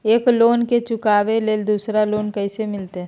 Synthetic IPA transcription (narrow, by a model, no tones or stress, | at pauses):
eːkloːnket͡ʃʊkaːʋeleːld̪uːsɾaloːnkəɪsemɪlt̪e